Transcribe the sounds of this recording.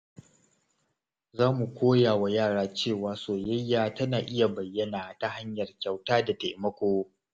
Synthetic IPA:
zaː˦mu˨kʷoː˦jaː˨wa˨jaː˦˨ɽaː˦t͡ʃeː˦˨waː˦soː˨jɐ˦jːaː˨tɐ˦naː˨ʔɪ˦ja˨bɐ˨jːɐ˦naː˨ta˦ɦa˦ɲjɐ˨rkʲa˨wtaː˦da˨ta˨mɐ˦kʷoː˦

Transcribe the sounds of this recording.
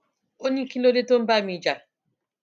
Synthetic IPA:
o˦nĩ˦ki˦lo˦le˦to˦m̩˦ba˦˨mĩ˨d͡ʒa˨

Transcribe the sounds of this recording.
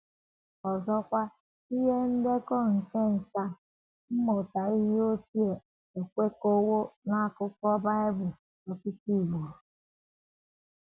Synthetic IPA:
ɔ˨zɔ˦kʷa˦ | i˦ɦe˦n̩˦de˦kɔ˦ŋ̩˨ke˦n̩˨ka˦ | m̩˦mɔ˨ta˨i˦ɦi˦o˦ti˦e˨ | e˨kʷe˦ko˦wo˦na˦a˦˨kʊ˦kɔ˦ba˦ɪ˦bʊ˨ | tɔ˨ki˦ti˦˨ɡo˨

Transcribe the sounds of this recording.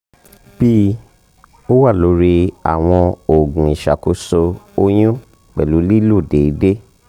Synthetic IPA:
b̥i˦ | o˦wa˦˨lo˨˧˦ɾi˧a̰˨w̃ɔ̃˧o˨ɡũ˨i˨ʃa̰˨ko˨˦so˧o˦j̃ũ˦ | k͡pɛ˨lu˨˦li˦lu˦˨de˨i˨˦de˦

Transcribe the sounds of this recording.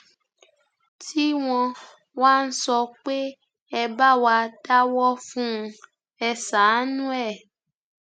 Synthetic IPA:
ti˦w̃ɔ̃˧ | wa˦n̩˦sɔ˧k͡pe˦ | ɛ˧ba˦wa˧da˦wɔ˦fũ˦˧ | ɛ˧sa˨˦nũ˦ɛ˦˨

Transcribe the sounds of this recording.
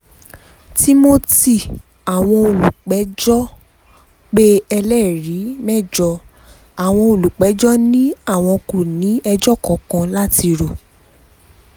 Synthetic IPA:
ti˦mo˦ti˦˨ | a˨w̃ɔ̃˧o˨lu˨k͡pɛ˨˦d͡ʒɔ˦ | k͡pe˦ɛ˧lɛ˦ɾi˨˦mɛ˦˨d͡ʒɔ˧ | a˨w̃ɔ̃˧o˨lu˨k͡pɛ˨˦d͡ʒɔ˦nĩ˦a˦˨w̃ɔ̃˧ko˨nĩ˨˦ɛ˧d͡ʒɔ˦˨kɔ˨˦kã˧la˦ti˧ɾo˨

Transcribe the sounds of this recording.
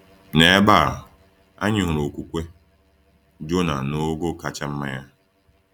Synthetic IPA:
ne˨˦ba˦˨ɾ | a̰˦ɲɪ˨ɦʊ˨ɾo˨kʷu˨kʷe˦ | d͡ʒo˦na˨no˦ɡo˦ka˦t͡ʃa˦m̩˦ma˦ja˦

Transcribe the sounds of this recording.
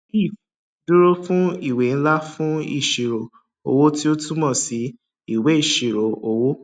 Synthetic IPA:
i˦˨f | du˦ɾo˦fũ˦i˦˨we˨˦n̩˦la˦fũ˦ḭ˦˨ʃi˨ɾo˨ | o̰˧wo˦ti˦o˦tu˦mɔ̃˦˨si˨˦ | i˦˨we˨˦i˦˨ʃi˨ɾo˨o˨wo˦

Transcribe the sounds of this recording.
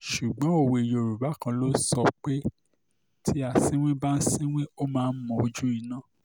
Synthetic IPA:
ʃu˨ɡ͡bɔ̃˨˦o˦˨wo˧i˨jo˨ɾu˨ba˨˦kã˧lo˦sɔ˧˨k͡pe˦ | tʰi˦a˨sĩ˦w̃ĩ˦ba˦n̩˦sĩ˦w̃ĩ˦o˦mãː˦˧n̩˦mɔ̃˨o˧d͡ʒũ˦i˧nãː˦˨

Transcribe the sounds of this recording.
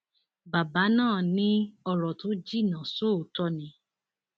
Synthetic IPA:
ba˨ba˨˦nãː˦˨nĩ˦ɔ˦˧ɾɔ˨to˨˦d͡ʒi˦˨nã˨so˦˨o˨˦tɔ˧nĩ˨˧˦

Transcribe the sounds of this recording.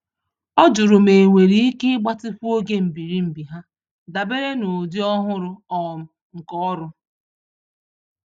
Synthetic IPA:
ɔ˦d͡ʒʊ˨ɾʊ˨me˨ŋʷe˨ɾi˦i˦kɪ˦ɡ͡ba˦tɪ˦fu˦o˦ɡe˦m̩˨bi˨ɾi˦m̩˨bi˨ɦa˦ | da˨be˦ɾe˦no˨di˦ɔ˦ɦʊ˦ɾʊ˦ɔ˨m̩˨ | ŋ̩˨kɔ˦ɔ˦ɾʊ˦

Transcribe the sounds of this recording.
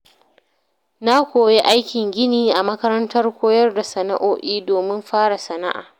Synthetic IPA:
na˦kʷoː˨je˦ʔa˦jkʲɪ˨ŋɡʲɪ˦niː˨ʔa˨mɐ˦kɐ˦ɾɐ˦ntɐ˦rkʷoː˦jɐ˦rda˨sɐ˨na̰˦ʔoː˦ʔiː˦doː˨mɪ˦mɸaː˦ɽa˨sɐ˨na̰˦ʔa̰ː˨

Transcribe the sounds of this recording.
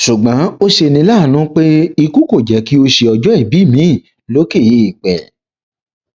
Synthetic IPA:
ʃu˨ɡ͡bã˨˦o˦ʃe˧nĩ˧˦la˦˨nũ˦k͡pe˦i˧ku˦ko˦˨d͡ʒɛ˨˦ki˦o˧ʃe˧ɔ˧d͡ʒɔ˨˦i˦˨bi˨˦˨mĩ˨˦˨ | lo˨˦ke˦˨ji˨˦i˨k͡pɛ̰˨

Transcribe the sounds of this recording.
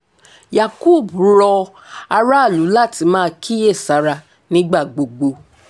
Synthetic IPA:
ja˨kuː˦˨bɾɔ˧ | a˧ɾa˦˨lu˨˦la˦˨ti˨˧˦mãː˦kʰi˦je˦˨sa˨˦ɾa˧ | nĩ˦ɡ͡ba˦˨ɡ͡bo˨ɡ͡bo˧

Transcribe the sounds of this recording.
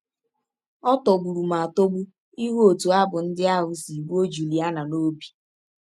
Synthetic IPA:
ɔ˦tɔ˨bu˨ɾu˨ma˨a˨to˦bu˦ | i˦ɦu˦o˨tu˨a˦bʊ˨n̩˦dɪ˦a˦ɦʊ˨si˨ɡ͡bu˦o˦d͡ʒu˨li˨a˦na˨no˦bi̥˨

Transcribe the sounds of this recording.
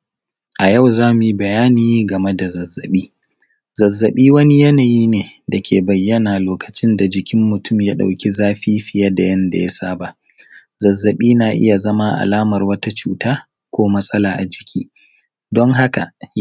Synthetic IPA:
ʔa˨ja˦˨wzaː˦mʊ˨ji˦bɐ˨jaː˦niː˨ɡɐ˨me˦da˨zɐ˨zːɐ˨ɓiː˦ | zɐ˨zːɐ˨ɓiː˦wɐ˦ni˦jɐ˦naː˨jiː˦neː˨dɐ˨kʲʰeː˨bɐ˨jːɐ˦naː˨loː˨kɐ̥˨t͡ʃɪ˦nda˨d͡ʒɪ˨kʲɪ˦mːʊ˨tʊ˦mja˦ɗa̰˨wkʲi˦zaː˦ɸiː˦ɸɪ˨ja˦da˨jɐ˦nda̰˨ja˦saː˦ba˨ | zɐ˨zːɐ˨ɓiː˦naː˨ʔɪ̰˦ja˨zɐ˦ma˦ʔa̰˨laː˦mɐ˨rwɐ˦ta˦t͡ʃuː˨taː˦ | kʷoː˦mɐ˦sʼɐ˦laː˨ʔa˨d͡ʒɪ˨kʲʰiː˦ | dɔ˦ŋɦa˦ka̰˨

